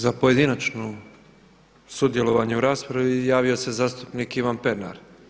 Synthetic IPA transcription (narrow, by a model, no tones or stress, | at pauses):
zapoje̞d̪inat͡ʃno | sud̪jelˠoʋaɲeuɾaːspɾaʋijaːʋio̞sezaːst̪upnikiʋanpeɾna̰ɾ